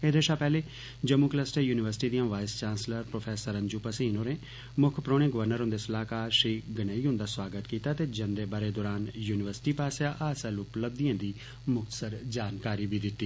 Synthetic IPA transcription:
ed̪eʃaːpɛːleː | d͡ʒəmuːkləsʈəjuːnɪʋəɾsɪ̥ʈiːd̪ijãːʋaːɪst͡ʃãːnsləɾpɾoːpʰɛːsəɾə̃ɲd͡ʒuːpəsiːnoːɾẽː | mʊkʰpɾoːɽ̃ẽːɡəʋəɾnəɾɦʊ̃nd̪eːsəlaːkaːɾʃiːɡənəːiːɦʊ̃nd̪aːswaːɡət̪kiːt̪aːt̪eːd͡ʒənd̪eːbaːɾeːd̪oːɾaːnjuːnɪʋəɾsʈiːpaːsaːʔaːsəlʊpləb̚d̪iãːd̪iː | mʊk̚t̪əsəɾd͡ʒaːnkaːɾiːbiːd̪ɪt̪ːiː

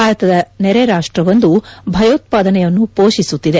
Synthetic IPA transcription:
aːɾɐt̪ɐd̪ɐnɛɾeɾaːʂʈɾɐʋond̪ubʱɐjoːt̪̚paːd̪ɐnɛjɐnːupoːʃisut̪ːid̪e

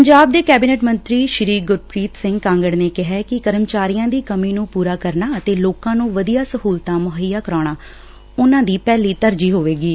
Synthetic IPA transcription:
əɲd͡ʒaːb̚d̪eːkɛːbiːnɛːʈmənt̪ɾiːʃɪɾiːɡʊɾpɾiːt̪sɪ̃ŋɡkãːŋɡəɽneːkɪɦɛːkɪkəɾəmt͡ʃaːɾijãːd̪iːkəmiːnũːpuːɾaːkəɾnaːət̪eːloːkãːnũːʋəd̪ijaːsəɦuːlt̪aːmʊɦəjaːkəɾaːɽ̃aː | ʊnãːd̪iːpɛːliːt̪əɾd͡ʒiːɦoːʋeːɡiː

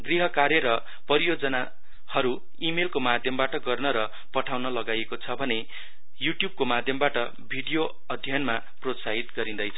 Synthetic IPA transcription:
ɡriɦʌkaɾjʌɾʌ | pʌɾijod͡zʌna | hʌɾu | imelkomad̪ʱjʌmbaʈʌɡʌrnʌɾʌ | pʌʈʰawnʌlʌɡajekot͡sʰʌbʱʌne | juʈjub̚komad̪ʱjʌmbaʈʌ | bʱiɽijo | ʌd̪ʱjʌnma | prot̪saɦit̪ɡʌɾĩnd̪ʌjt͡sʰʌ

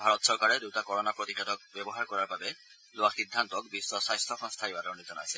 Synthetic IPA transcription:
bʱaɾɔt̪sɔɾkaɾed̪utakɔɾɔnapɾot̪ikʰet̪ɔk̚bjebɔɦaɾkɔɾaɾbabe | loaxid̪ʱːant̪ɔk̚bisːɔsajst̪ʰɔxɔŋst̪ʰajbaɾɔɾnid͡ʒɔna̰sʰe

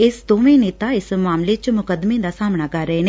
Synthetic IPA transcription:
ɪsd̪oːʋẽneːt̪aɪsmaːmlet͡ʃmʊkəd̪mẽd̪asaːmɳ̃akɐɾəɦeneː

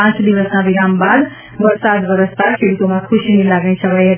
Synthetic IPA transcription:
ãt͡ʃd̪iʋəsmãbiɾambad̪ | bəɾsad̪ʋəɾəst̪akʰeɽut̪omãkʰuʃinilaɡnẽt͡ʃʰəʋəjɦə

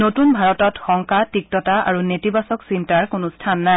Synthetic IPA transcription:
notunbʱaɹɔtɔtxɔŋkatik̚tɔtaa̰ɹunetibasɔksintaɹkʊnʊstʰanːaj

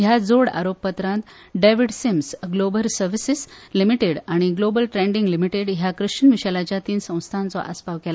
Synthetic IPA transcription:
ɦjad͡zoɽa̰ɾopːət̪ɾãnt̪ | ɖeʋiɽsimsɡlobəlsəɾʋisislimiʈeɽaɽ̃iɡlobəlʈɾẽɳɖiŋɡlimiʈeɽɦjakɾɨɕənʋiɕalat͡ɕjat̪iːnsə̃w̃st̪ʰãnt͡sɔ̰ʔa̰spaʋkɛla

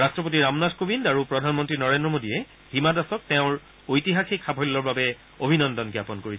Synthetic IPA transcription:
ɹastɹɔp̬otiɹamnadkobindaɹupɹɔdʱanmɔntɹinɔɹendɹɔmodijɛ | himadasɔk̚tɛʊ̃ɹ | ojtiɦaxikʰabʱɔlːɔɹbabɛ | obʱinɔndɔnɡjapɔnkoɹi

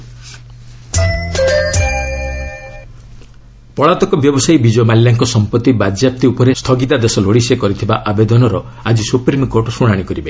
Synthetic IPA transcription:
pɔɭat̪ɔkɔbjɔbɔsajbid͡ʒɔmaljaŋkɔsɔmpɔt̪ːibad͡ʒap̚t̪iupɔɾest̪ʰɔɡit̪ad̪esɔloɽisekɔɾit̪ʰibaʔabed̪ɔnɔɾɔ | ad͡ʒisupɾimkoɾʈɔsuɽ̃aɽ̃ikɔɾibe

